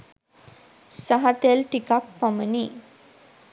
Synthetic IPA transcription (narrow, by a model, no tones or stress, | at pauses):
saɦat̪elʈikak̚paməni